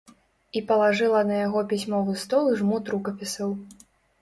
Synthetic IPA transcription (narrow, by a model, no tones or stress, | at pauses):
ipɐlˠaʐɨlˠɐnɐjaɣɔpʲisʲmɔvɨst̪ɔlˠɨʐmut̪ɾukɐpʲisɐw